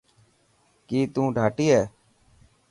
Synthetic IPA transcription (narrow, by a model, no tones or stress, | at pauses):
kiːt̪ũːɖʱaːʈiːɦɛː